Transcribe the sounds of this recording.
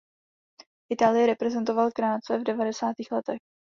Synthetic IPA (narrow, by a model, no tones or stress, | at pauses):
ʔɪt̪aːlɪjɛɾɛpɾɛzɛnt̪o̞valkɾaːt͡sɛvdɛvadɛsaːt̪iːxlɛt̪ɛx